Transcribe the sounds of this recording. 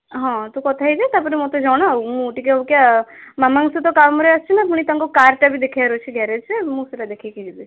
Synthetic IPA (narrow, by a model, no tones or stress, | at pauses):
ɦɔ̃t̪ukɔt̪ʰaid͡ʒat̪apɔɾimɔt̪ed͡ʒɔɽ̃aũũʈikeukjamamaŋset̪ɔkamɔɾeast͡ʃʰinapuɽ̃it̪ãŋkokaɾʈabʱid̪ekʰiaɾot͡ʃʰiɡɛɾet͡ʃʰemũseɾad̪ekʰikid͡ʒibi